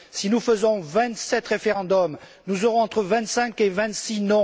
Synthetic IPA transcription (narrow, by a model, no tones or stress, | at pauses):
sinufəzɔ̃vɛ̃t̪sɛt̪ʁefeʁɑ̃d̪ɔm | nuzɔʁɔ̃ɑ̃t̪χəvɛ̃t̪sɛ̃kevɛ̃t̪sinɔ̃